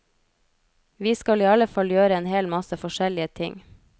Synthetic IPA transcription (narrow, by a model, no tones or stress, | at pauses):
ʋiːskɑliːɑləfɑljøːɾəeːnheːlmɑsəfɔʃɛlɪət̪ʰɪ̰ŋ